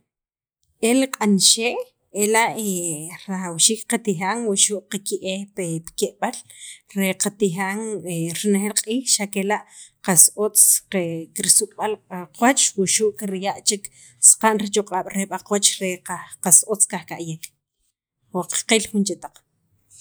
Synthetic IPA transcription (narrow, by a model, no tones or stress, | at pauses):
eliqʼanʃeːʔ | elaʔeɾaxawʃiːkqat̪ixaːŋwuʃuːʔqakiʔepepkeʔɓal | ɾeqat̪ixaŋeɾinexelqʼiːxʃakelaʔqasot͡sqekiɾisukʼɓalqaqwat͡ʃwuʃuʔkiɾjaʔt͡ʃik | sqaʔnɾit͡ʃoqʼaːɓ̥ɾeɓaqwat͡ʃɾeaqasʔot͡skaχkaʔjek | waqḁqilxunt͡ʃet̪aq͡χ